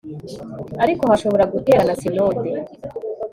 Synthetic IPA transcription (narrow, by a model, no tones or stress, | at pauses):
aɾiko̞haʃo̞βo̞ɾaɡute̞ːɾanasino̞ːde